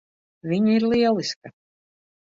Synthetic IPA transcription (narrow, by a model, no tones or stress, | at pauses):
vʲiɲiɾlˠiɛlˠiska